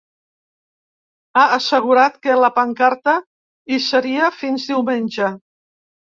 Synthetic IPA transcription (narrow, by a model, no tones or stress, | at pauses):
aːsəɣ̞uɾat̪kələpaŋkaɾt̪ə | isəɾiəfinzd̪iwmenʲʒə